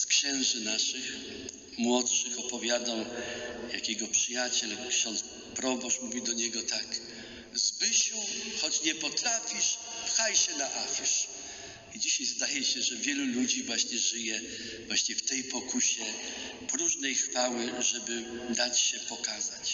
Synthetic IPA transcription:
skɕɛ̃w̃ʐɘnaʂɘx | mwɔtʂɘxɔpɔvʲjad̪awja̰kʲɛɡɔpʂɘjat͡ɕɛlkɕɔnt̪s | pɾɔbɔʂmuvʲid̪ɔɲɛɡɔt̪ak | zbɘɕuxɔt͡ɕɲɛpɔt̪ɾafʲiʂpxajɕɛnaʔafʲiʂ | id͡ʑiɕajzd̪ajɛɕɛʐɛvʲjɛlulud͡ʑivwaɕɲɛʐɘjɛ | vwaɕɲɛft̪ɛjpɔkʰuɕɛ | pɾuʐnɛjxfawɘʐɛbɘd̪at͡ɕɕɛpɔkazat͡ɕ

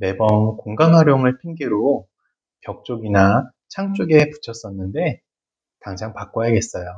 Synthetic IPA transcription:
me̞bʌnkoŋɡanɦaɾjoŋɯɭpʰiŋɡiɾo | kjʌk̚t͡ɕ͈oɡina | t͡ɕʰaŋt͡ɕ͈oɡe̞pu̥t͡ɕʰʌs͈ʌnːɯnde̞ | taŋd͡ʑaŋpak͈ojaɡe̞s͈ʌjo

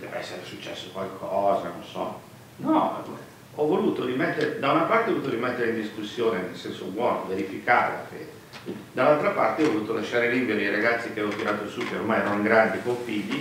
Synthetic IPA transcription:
d̪ɛːveɛsːeɾesut͡ʃːɛsːokwalkʰɔːzano̰nsɔ̰ | nɔ | ɔvoluːt̪oɾimɛt̪ːeɾed̪aunapart̪eɔvoluːt̪oɾimɛt̪ːeɾeind̪iskusːjoːnenelsɛnsobwɔːnoveɾifikaːɾḛla̰feːd̪e | d̪alːalt̪ɾapa̰rt̪eɔvoluːt̪olaʃːaːɾelimbjod̪ejɾaɡat̪sːik̟eɛvot̪iɾaːt̪osukeo̰rmajɛːɾanoiŋɡɾand̪ikoɱfiʎːi

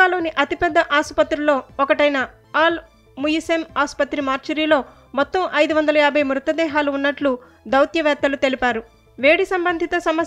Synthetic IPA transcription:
aːlo̞ːniʔɐt̪ipɛd̪ːɐʔaːsu̥pɐt̪ːɾulo̞ːɔkɐʈɐjnɐ | aːl | mujisemaːspɐt̪ːɾimaːɾt͡ʃɐɾiːlo̞ː | mɔt̪ːɐmʔɐjd̪uʋɐnd̪ɐlɐjaːbʱɐjmɾut̪ɐd̪ɛːɦaːluːnːɐʈlu | d̪ɐwt̪jɐʋɛːt̪ːɐlut̪e̞lipaːɾu | ʋe̞ːɽisɐmbɐnd̪ʱit̪ɐsɐmɐ

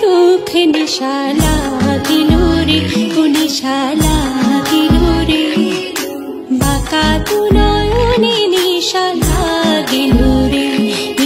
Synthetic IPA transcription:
t̪ukʰeniʃa | laɡinuɾikuniʃalaɡinuɾi | bʱakat̪unɔjoniniʃalaɡinuɾi

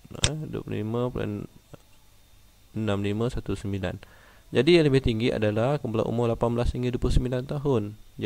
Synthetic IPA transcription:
duə̰pl̰lḭmə̃pua̰n | ənãmlimə̃sat̪usəmbila̰nd͡ʒadijaŋləbɪht̪iŋɡiʔa̰dalahkəmbala̰ʔṵmʊlapanbəlasniŋɡiduəplʊsəmbilant̪aɦʊnd͡ʒ

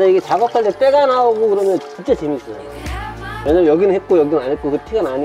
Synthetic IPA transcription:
ʌiɡet͡ɕaɡʌkʰaɭtet͈eɡanaoɡokɯɾʌmjʌnt͡ɕint͡ɕ͈at͡ɕimis͈ʌj | jʌɲʌnjʌɡinɯnɦet̚k͈ojʌɡiɯnanet̚k͈okɯtʰiɡanaɲi

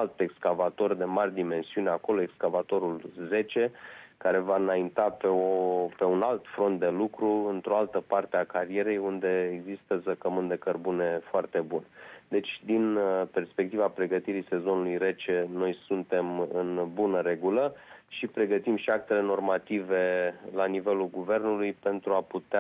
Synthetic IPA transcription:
alt̪e̞kskavat̪o̞rd̪e̞marʲd̪ime̞nsiuneako̞loekskavat̪o̞ɾulze̞t͡ʃe̞kaɾe̞vaɨnaint̪apeope̞unalt̪fɾo̞nt̪̚d̪e̞lukɾuɨnt̪ɾo̞alt̪əpart̪eakaɾie̞ɾe̞jund̪e̞ːɡzist̪əzəkəmɨnd̪e̞kərbune̞foart̪e̞bund̪e̞t͡ʃʲd̪inpe̞rspek̚t̪ivapɾe̞ɡət̪iɾise̞zonulujre̞t͡ʃe̞no̞jsunt̪e̞mɨnbunəɾe̞ɡuləʃipɾe̞ɡət̪imʃiak̚t̪e̞le̞no̞rmat̪ive̞lanive̞lulɡuve̞rnulujpe̞nt̪ɾuaput̪ea

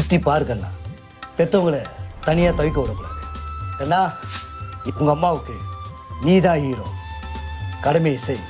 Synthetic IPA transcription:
ʊʈːipaːɾɯkːɐlːa̰ː | pɛt̪ːɐŋɡɐɭɐt̪ɐnɪjaːt̪ɐʋɪk̬ːɐʋɐɽɐkːɐɽa̰ːðɯeːnːaː | ʊŋɡɐmːaːʋɯkːɯ | niːðaːɦiːɾo̰ː | kɐɽɐmeɪsɐɪ

